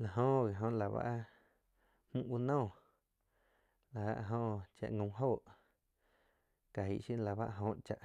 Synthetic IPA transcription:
la˨ɦõ˧ʔɣe˨ɦõ˧ʔla˨βa̰˦ʔ | hmũ˦ʔwu˧nɔ̃ː˦˨ | la˨a̰˧ʔɦõː˧ʔt͡ʃa̰˧ʔŋõ˧˨˧ɦoː˦˨ʔ | ka˨ɦi˧˨ʔʃi˦la˨ba̰˦ʔɦõ˧˦˨ʔt͡ʃa˧˨ʔ

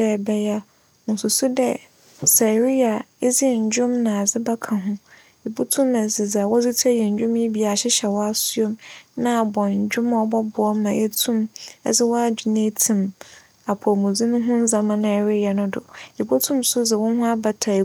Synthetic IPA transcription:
ɛ˦bɛ˦ja˦ | mʊ̃˨sʊ˨sʊ˦dɛ̰˦ | sa˨ɾi˦a˨ɛ˦zɪ˦˨ɲ̩˨d͡ʑᶣʊ̃˦mnã˨a˨d͡zɪ˦ba˦kʰã˨ɦʊ̃˦ | i˨bo˦tʰũ˦mɛ̃˨zɪ˨d͡za˨wɔ˦zɪ˦tʰɛ˦jɛ˨ɲ˨d͡ʑᶣʊ̃˦mji˦bi˨a˨ɕɪ˦ɕɛ˨wɔ˦a˦su˦o˦mnã˦˨bɔ̃˨ɲ̩˨d͡ʑᶣʊ̃˦mɔ˦bɔ˦bʊ˨ɔ˦mã˨ʔɛ˦tʰũ˦mɛ̰˦zɪ˦wɔ˦a˦d͡ʑu˨ne˦tʰĩ˨m | a˨pʰɔ˨mũ˨d͡zĩ˦nʊ̃˦ɦʊ̃˦n̩˦zã˨mã˨nã˨ɛ˨ɾɪ˦ja˨nʊ̃˦dʊ̰˨i˨bo˦tʰũ˦msʊ˦d͡zɪ˨wʊ̃˦n˦ɦʊ̃˦a˦ba˨tʰa˨

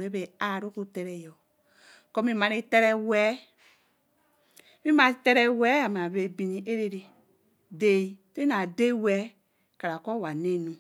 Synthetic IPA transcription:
ɾe˦be˨a˨ɾo˦ku˦tɛ˦˨ɾɛ˨jɔ˨ | kɔ˦mĩ˦mã˧ɾi˦tɛ˦ɾɛ˧wɛ˦ | mi˦mã˧˦tɛ˦˧ɾɛ˧wɛ˦a˨m˨a˨βe˨bi˨nĩ˨ʔe˦ɾe˧ɾi˨ | de˦i˨te˦na˨de˦wɛ˨˦ | ka˨ɾa˨kɔ˦˨wa˨ne˦nũ˨

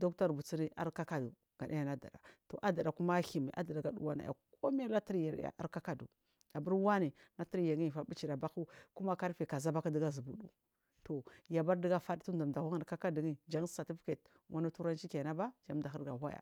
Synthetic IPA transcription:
do˦kta˦ɾbu˨t͡si˦ni˦a̰˦ɾka˦ka˦du˨ | ɡ̥a̰˨ɗa˦ja˨na˦da̰˨da̰˨to˨ʔa˦da˨ɗa˨ku˦ma˦hi˨mi˨ʔa̰˦da˨da˨ɡa˨dṵ˦wa˦na̰˨ja̰˨ko˦mi˦a˦la˦ti˦ɾja˨ɾ̰ja̰˨ʔa̰˦ɾka˦ka˦dṵ˨ | a˨bu˦ɾwa˦ni˨na˦ti˦ɾja˨ɡi˦˨fa˨bi˦t͡ʃi˨ɾa˨ba˦ku˦ku˦ma˦ka˦ɾfi˨ka˨za˦ba˦ka˦di˦ɡa˦zu˨bu˨dṵ˦ | to˨ja˨ba˦ɾdi˦ɡa˦fa˦tu˦nda˨m˨da˨ha˦ŋa˨n˨ka˦ka˦di˨ɡi˦d͡ʒa˦ŋ˦sa˨ti˦fke˨t | wa˦na˦tu˦ɾa˦nt͡ʃi˦ke˨na˦ba˦d͡ʒa˦mda˨i˦ɾɡa˨ɦa˦ja̰˨

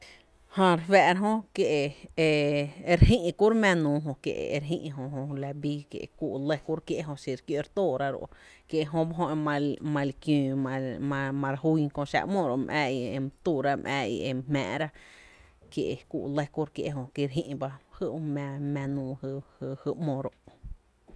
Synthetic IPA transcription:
hã˧ɾefɛː˧˨ɾa˦ɦõ˦kje˧ʔe˨e˧ɾɦĩ˦ʔku˦ɾmɛ̃˧nũː˧ɦõ˧kjḛ˧˨ʔḛ˨˧ɾɦḭ̃˧ʔɦõ˧ɦõ˧la˧biː˦kjḛ˨ku˧ʔlə˧ku˦ɾkje˦ʔɦõ˧si˧ɾkjo˧ɾt̪oː˦˨ɾa˧ɾo̰˧ʔkje˧ɦõ˧ba˦ɦõ˧e˧mã˧mã˧lkj̃ːa˧mã˧mã˧ɾa˧ɦu˦jkõ˧ʃa̰˧ʔmõ˧˨ɾo˨ʔmʔɛ̰ː˧i˧e˧mt̪u˧˨ɾa˦mʔɛ̰ː˧˨ḭ˧e˧mmɛ̰̃ː˨ɾa˦ | kje˨ʔe˨kṵː˧ʔlə˧ku˦ɾkjḛ˧ʔɦõ˧ki˧ɾɦḭ̃˦˧ʔba˧hɨ˦ʔmã˧mã˧nũː˧hhhɨ˧mõ˧˨ɾo˧˨ʔ

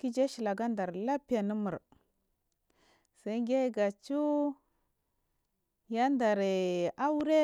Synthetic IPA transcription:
ki˦d͡ʒe˦ʃi˨la˨ɡa˦nda˨ɾla˦pi˦ja˨nə˦mu˨ɾ | sa˦ŋɡe˦ɡa˨t͡ʃu˦ | ja˦nda˨ɾe˨a˦wu˦ɾe˦

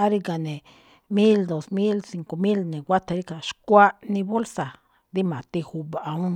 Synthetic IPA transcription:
a˦ɾi˦ɡa˨nẽ˨ | mi˦ld̪o˨smi˦lsi˨ŋko˨mi˦lnẽ˨wʷa˦t̪a˧ɾi˦ka˨ʃkʷa˦ʔnĩ˧bo˦lsa˨ | d̪i˦mã˨t̪i˧hu˧baʔa˧˨ũ˦

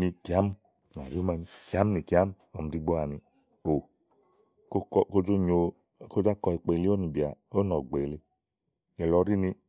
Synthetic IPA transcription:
ni˧ki˨a˨˦m˦ | n˨a̰˨ju˦ma˧ni˧ki˨a˨˦m˦ni˨ki˨a˦m˦ɔ˨m̩˧˨di˧ɡ͡bo˧˦a˨ni˧ | o˨ | ko˧kɔ˧ko˦d͡ʒo˦ɲo˧˨ | ko˦d͡ʒa˦kɔ˧i˨˧k͡pe˨˧i˧le˦o˦ni˨bi˨a˨o˦nɔ˨ɡ͡be˨le˧˦ | jɛ˨lɔ˧˦ɾi˦ni˧

